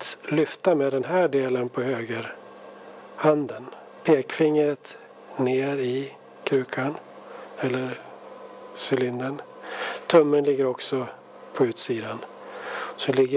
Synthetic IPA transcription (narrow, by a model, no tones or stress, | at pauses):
lʏft̪amɛd̪ɛnɦæːɖeːlənpʰɔhøːɡəɾ | hand̪ən | pʰeːkfɪŋːɾət̪ | neːɾɪ | kʰɾʉ̟ːkʰan | ɛlːəɾ | sʏlɪnd̪ən | t̪ʰɵmːənlɪɡːəɾɔksɔ | pʰɔʉ̟ːt̪siːd̪an | sɔlɪɡːə